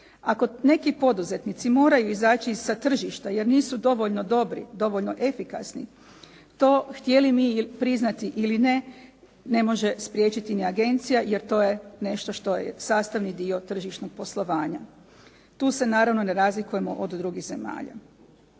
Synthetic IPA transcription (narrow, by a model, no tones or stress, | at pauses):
ako̞ne̞kipo̞d̪uze̞t̪nit̪simo̞ːɾajuizaːt͡ɕiːssat̪r̩ʒiʃt̪aje̞ɾniːsud̪o̞ʋoʎno̞d̪o̞bɾḭd̪o̞ʋo̞ʎnoʔe̞fika̰snḭ | t̪o̞ːxt̪je̞limipɾiznat̪iʔiline̞ | ne̞mo̞ʒe̞spɾʲje̞ːt͡ɕit̪iniaɡe̞nt̪sijaje̞ɾt̪o̞ːje̞ne̞ʃt̪o̞ʃt̪o̞jḛsaːst̪aʋnid̪io̞t̪r̩ʒiʃnoɡ̚po̞slˠo̞ʋaːɲa | t̪uːse̞naːɾaʋno̞ne̞ɾaːzlikuje̞mo̞ʔod̪d̪ɾuɡiɣze̞ma̰ːʎa̰